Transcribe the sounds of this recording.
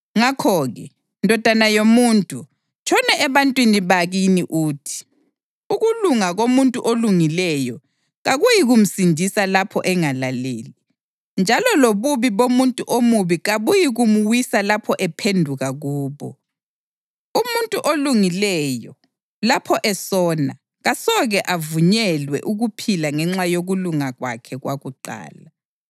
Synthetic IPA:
ŋakʰɔɣɛ | ndʱɔd̥ʱanajomuːntʼu | t͡ʃʰʼɔnɛʔɛβantʼwiniβaɣiniʔuːtʰi̥ | uɣuluŋaɣomuntʼuʔoluŋilɛjɔ | ɣaɣujiɣum̩sindʱisalapʰɔ̰ʔɛŋalaleːli | nd͡ʒʱalɔloβuβiβomuntʼuʔomuβiɣaβujiɣumuwisalapʰɔʔɛpʰendʱuɣaɣuːβɔ̰ | umuntʼuʔoluŋilɛjɔ | lapʰɔʔɛsɔna | ɣasɔɣɛʔavuɲɛlwɛ̰ʔuɣupʰilaŋɛŋ͡ǁajoɣuluŋaɣwa̰kʰɛɣwaɣuǃa̰ːla

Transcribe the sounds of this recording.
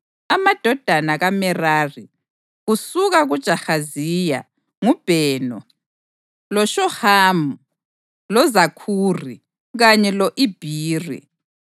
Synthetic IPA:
amad̥ʱɔd̥ʱanaɣamɛraːri | ɣusuɣaɣud̥ʒ̥ʱaxazija̰ | ŋub̥ʱɛːnɔ | lɔʃɔhamu | lɔzakʰurḭ | ɣaɲɛlɔʔib̥ʱiːrḭ

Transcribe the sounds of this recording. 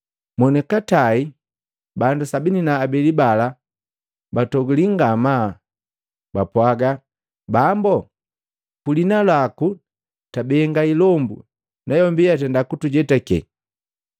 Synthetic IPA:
mɔnɛkatai | bandusabininaːbɛlibala | batɔɡuliŋɡama | bapwaɡa | bambɔ | kulinalaku | tabɛŋɡailɔmbṵ | nʔajɔmbijatɛndakutuɟɛtakɛ̰

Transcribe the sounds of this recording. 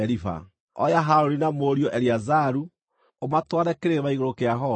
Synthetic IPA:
ɛɾifa̰ | ɔ̰jaɦaɾoɾinamoːɾiɔʔɛɾiazaɾu | omatwaɾɛkeɾeβaiɣoɾokeaɦɔ

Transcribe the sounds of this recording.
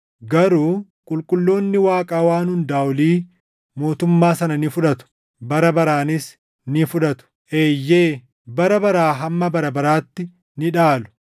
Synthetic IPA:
ɡɐɾuː | kʼʊlkʼʊlːo̞ːnːɪwaːkʼaːwaːnhʊnd̪aːʊliː | mo̞ːt̪ʊmːaːsɐnɐnɪfʊᶑɐt̪ʊ̥ | bɐɾɐbɐɾaːnɪs | nɪfʊᶑɐt̪ʊ̥ʔeːjːe̞ː | bɐɾɐbɐɾaːɦɐmːɐbɐɾɐbɐɾaːt̪ːɪ | nɪᶑaːlʊ̥

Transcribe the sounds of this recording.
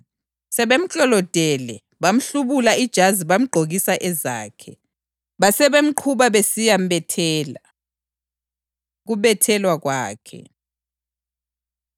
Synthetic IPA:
sɛβem̩t͡ɬʼɔlɔd̥ʱɛlɛ | βam̩ɬuβulaid̥ʒ̥ʱaziβam̩ɡ͡ǃʱoɣisaʔɛza̰ːkʰɛ | βasɛβem̩ǃʰuβaβesijambɛtʰɛːla | ɣuβɛtʰɛlwaɣwaːkʰɛ̰

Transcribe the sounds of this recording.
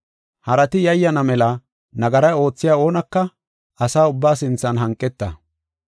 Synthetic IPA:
hɐɾɐt̪ɪjɐjːɐnɐmɛlɐ | nɐɡɐɾɐjo̞ːt͡sːɪjaːo̞ːnɐkːɐ | ɐsaːʊbːaːsɪnt͡sːɐnɦɐŋkʼːɛt̪ːɐ̰

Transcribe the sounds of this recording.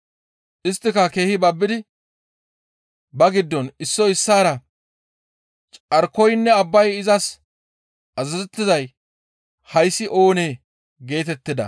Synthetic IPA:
ʔɪst̪ːɪkɐke̞ːhɪbɐbːɪd̪ɪ | bɐɡɪd̪ːɔnɪsːɔɪsːaːɾɐ | t͡ʃʼɐɾkːɔjnːɛɐbːɐjɪzɐs | ʔɐzɐzɛt̪ːɪzɐj | hɐjsːɪʔo̞ːneː | ɡe̞ːt̪ɛt̪ːɪd̪ɐ̰

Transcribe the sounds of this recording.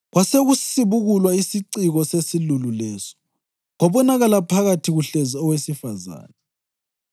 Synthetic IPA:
ɣwʔaseɣusiβuɣulwaisiǀiɣɔsesilululɛːsɔ̥ | ɣɔβɔnaɣalapʰaɣatʰiɣuɬeziɔwesifaza̰ːnɛ

